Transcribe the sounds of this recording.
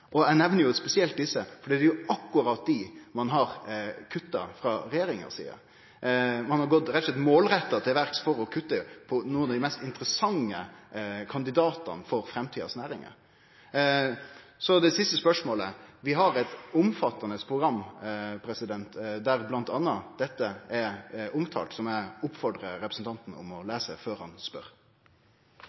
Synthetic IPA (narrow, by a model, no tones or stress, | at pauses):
ʔɔæɪnɛʋnəɾjʊspɛsɪɛlt̪̚d̪ɪsːəfɔɖiːd̪ɛjʊɑkːʊɾɑt̪̚d̪ɪmɑnɦɑɾkʰʉt̪ːɑ̰fɾɑɾɛjeːɾɪŋə̰sḭːə̰ɾ | mɑnhɑɾɡɔt̪ɾɛt̪ɔslɛt̪moːlɾɛt̪ːɑt̪ʰɪlʋæɾksfɔɾɔkʰʉt̪ːəpʰɔnuːənɑd̪ɪmɛst̪ɪnt̪ɾəsɑŋːəkʰɑnd̪ɪd̪ɑːt̪ɑ̰nfɔɾfɾɛmt̪ʰiːɑ̰snæːɾɪŋə̰ɾ | sɔd̪ɛsɪst̪əspœʂmoːləʋɪɦɑɾɛt̪ʊmfɑt̪ːɑnəspʰɾʊɡɾɑmːpʰɾɛsɪd̪ɛnt̪d̪æɾblɑnt̪ɑnːɑd̪̥ɛt̪ːəɛɾʊmt̪ʰɑ̰ːlt̪sɔmæʊpfɔɖ̪ʁəɾɛpɾəsn̩t̪ɑnt̪n̩ʊ̰mɔlæːsə̰føːɾhɑnspœ̰ɾ